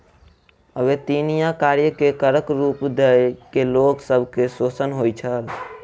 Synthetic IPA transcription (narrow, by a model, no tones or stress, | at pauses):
əʋet̪inijãkaɾjəkekəɾəkɾupd̪ekeloksəbʱkesot͡ʃənɦojt͡ʃʰəl